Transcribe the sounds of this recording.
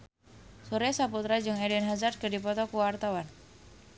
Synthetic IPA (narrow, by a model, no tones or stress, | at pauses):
suɾɛsaput̪ɾad͡ʒɨŋɛdɛnɦazart̪̚kɨdipɔt̪ɔkuwart̪awan